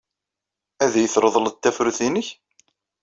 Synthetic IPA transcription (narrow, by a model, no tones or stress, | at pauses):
æðæjəθɾˤəðˤələt̪ːæfɾuθinəç